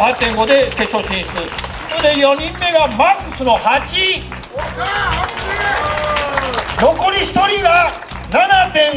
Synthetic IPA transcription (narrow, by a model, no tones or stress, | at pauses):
hat̪ːẽ̞ŋɡo̞d̪e̞ke̞ɕo̞ɕĩɰ̃sɯ | nod̪e̞jo̞ɲ̟ĩmːe̞ɡamakːɯ̟̥sɨno̞hat͡ɕi | no̞ko̞ɾʲiçi̥t̪o̞ɾʲiɡa | nanat̪ẽ̞